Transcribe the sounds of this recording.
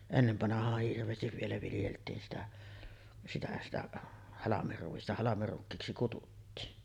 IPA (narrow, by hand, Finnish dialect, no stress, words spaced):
enːeʋːɑnɑhɑːh hirʋˑeːstiʋ ʋielæ ʋiljeltˑiːn sitæ sitæ sitæ hɑlɑmerːuistɑ hɑlɑmerːukːiːksi kututːiːn